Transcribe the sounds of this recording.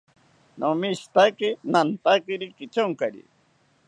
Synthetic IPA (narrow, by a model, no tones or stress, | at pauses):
nʔomist̪akinant̪akiɾikit͡ʃoŋkaɾḭ